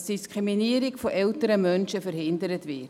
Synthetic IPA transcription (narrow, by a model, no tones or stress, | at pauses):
sd̥iskʁiminiːəɾɪkfɔʔɛltəɾəmœnʃəfəɾhɪndəɾətʋɪt